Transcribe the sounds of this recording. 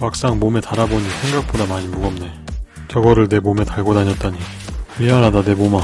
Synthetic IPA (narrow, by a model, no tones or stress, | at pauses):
wak̚s͈aŋmome̞taɾaboɲisʰe̞ŋɡak̚p͈odamaɲimuɡʌmne̞ | t͡ɕʌɡʌɾɯɭne̞mome̞taɭɡodaɲʌt̚t͈aɲi | ɥiɦaɾadane̞moma